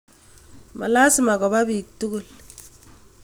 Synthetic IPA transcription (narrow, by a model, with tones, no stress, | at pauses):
ma̰˨la˦si˨ma˨kɔ˨ba˦bik̚tu˦ku˨l